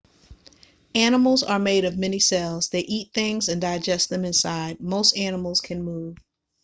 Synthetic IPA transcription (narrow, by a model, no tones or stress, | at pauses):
ænəml̩ˠzə˞meɪɾʌvmɛnisɛlˠz̥ðeɪʔit̪̚θɪ̃ŋzɨ̃ndaɪd͡ʒɛst̪̚ðɨ̃mɨ̃nsaɪd̚moʊstænəml̩ˠz̥kʰɨ̃nmuv̥